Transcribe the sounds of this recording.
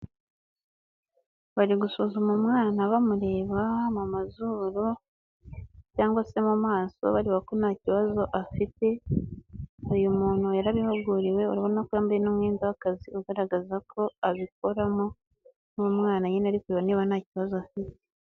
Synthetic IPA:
βaɾiɡusuːzumumŋaːnaβamuɾe̞ːβamumazuːɾu | caːŋɡwase̞mumaːso̞̰βaɾiβako̞naːciβazo̞ʔafite̞ | ujumuːnhujaɾaβihoɡuɾiwe̞uɾaβo̞nnakwaːmbeenomŋeːndawakaziʔuɡaɾaɡazakʰo̞aβiko̞ɾamo | numŋaːnaɲenaɾikuɾeβaniːβanaːciβazoafite̥

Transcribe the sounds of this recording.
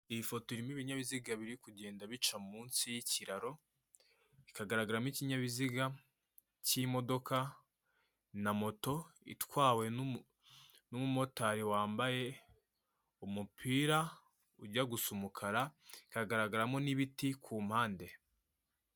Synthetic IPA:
iβifo̞toɾimiβiɲaβiziɡaβiɾikuɟe̞ːndaβit͡ʃamuːnsijiciɾaɾo̞ | ikaɡaɾaɡaɾamiciɲaβiziɡa | cimo̞do̞ka | namo̞to̞ḭtwaːwe̞ | numumo̞taɾiwaːmbaje | umupʰiːɾa | uɟaɡusumukʰaɾaikaɡaɾaɡaɾamoniβitikʰuːmhaːnde̞

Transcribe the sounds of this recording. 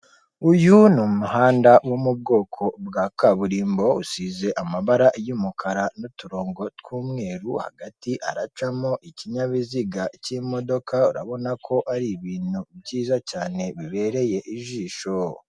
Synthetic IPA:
ujunomumuhaːndawomub̚ɡo̞ːkʰo̞bɡaːkaβuɾiːmbo̞usize̞ʔamaβaɾajumukʰaɾanotuɾo̞ːŋɡo̞tkwuːmŋe̞ːɾuha̰ɡatiʔa̰ɾat͡ʃamoʔiciɲaβiziɡacimodo̞kʰauɾa̰βo̞nakʰo̞ʔaɾiβiːn̥ubɟiːzacaːne̞βiβe̞ɾe̞je̞ʔiʒiːʃo

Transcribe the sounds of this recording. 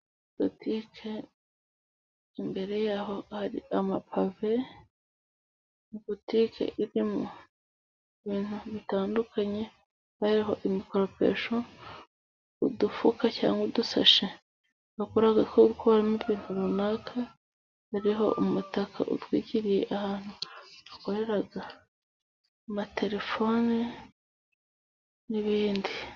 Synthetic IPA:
b̥otikʰe | imbe̞ɾe̞jaːɦo̞haɾḭamapʰave̞ | ibotikḛʔiɾimo | iβiːn̥huβitaːndukʰaɲe̞ | haɾiɦo̞̰ʔimikoɾopḛʃo | udufukaca̰ːŋɡudusa̰ʃe | akoɾaɡakoɡukoɾamiβiːn̥huɾunaːkʰa | haɾiɦo̞̰ʔumutakʰa̰ʔṵtwiːɟiɾije̞ʔahaːn̥uako̞ɾe̞ɾaɡa | mate̞ɾe̞fo̞ni | niβiːndi

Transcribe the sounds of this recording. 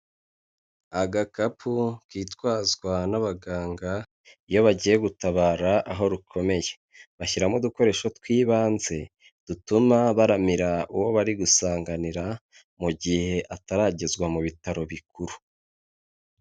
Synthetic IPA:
aɡakapʰukiːtwaːzɡwanaβaɡaːŋɡa | ijo̞βaɟije̞ɡutaβaːɾaʔaɦo̞ɾukʰo̞me̞je̞ | βaçiɾamoduko̞ɾe̞ːʃotkwiːβaːnze̞ | d̥utumaβaɾamiɾauwo̞βaɾiɡusaːŋɡaniɾa | muɟihe̞ʔataɾaɟe̞zɡwamuβitaɾo̞βikuɾu

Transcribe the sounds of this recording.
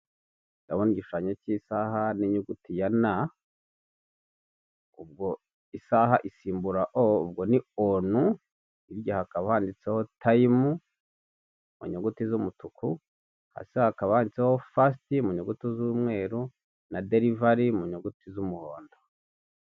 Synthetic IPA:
ɡaβoniɟiʃuʃaːɲocisaɦaniɲuɡutijana | ub̚ɡo | isaɦaʔisiːmbuɾaʔoṵb̚ɡonionu | iɾɟahakaβahaːndit͡seho̞tʰaimu | mṵɲuɡutizumutukʰu | ha̰sehakaβahaːndit͡seho̞fas̬timuɲuɡutuzumŋe̞ːɾu | nadeɾivaɾimuɲuɡutizumuhoːndo

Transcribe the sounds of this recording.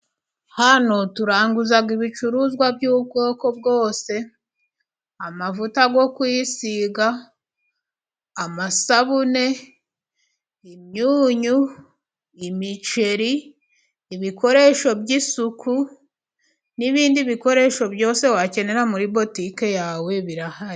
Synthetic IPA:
hano̞tuɾaːŋɡuzaɡiβit͡ʃuɾuzɡwabjuːb̚ɡo̞ːko̞bɡo̞ːse̞ | amavutaɡo̞kwijisiɡa | masaβune̞ | imɲuːɲu | imit͡ʃe̞ɾiː | βiko̞ɾe̞ːʃo̞bɟisukʰu | niβiːndiβiko̞ɾe̞ʃo̞bjo̞ːse̞wace̞ne̞ɾamuɾibo̞tike̞jaːwe̞βiɾahaɾi

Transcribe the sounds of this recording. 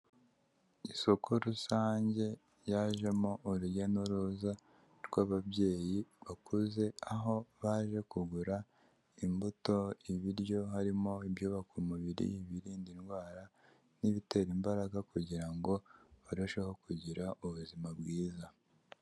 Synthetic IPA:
iso̞kʰo̞ɾusaːɲɟe̞ | jaːʒe̞moʔːɾuɟanoɾuza | ɾɡwaːβabje̞ːjiβakʰuze̞aɦo̞βaːʒe̞kuɡuɾa | imbuto̞iβiɾjo̞ɦaɾimoibjoβakumuβiɾḭiβiɾiːndinɡwaːɾa | niβite̞ɾimbaɾaɡakuɟiɾaŋɡo̞βaɾoʃe̞ho̞kuɟiɾaʔuβuzimabɡiːza

